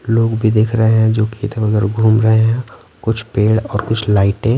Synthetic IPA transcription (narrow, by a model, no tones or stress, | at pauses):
loːɡbʱid̪eːkʰɾəɦeɦɛ̃d͡ʒoːkit̪əəɡəɾɡʱuːmɾəɦeɦɛ̃ | kʊt͡ʃʰpeːɽɔːɾkʊt͡ʃʰlaːɪʈẽ